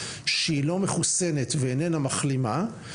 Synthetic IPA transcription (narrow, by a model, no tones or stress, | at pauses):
ʃeilo̞me̞χuse̞ne̞tveːnenamaχlima